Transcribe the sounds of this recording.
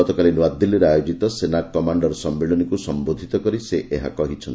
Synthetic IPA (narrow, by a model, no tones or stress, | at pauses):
ɔt̪ɔkalinwad̪ʱːiliɾeajod͡ʒit̪ɔsenakɔmaɳɖɔɾsɔmːeɭɔnikusɔmbod̪ʱit̪ɔkɔɾiseʔʔeɦa̰kɔɦit͡ʃʰɔnt̪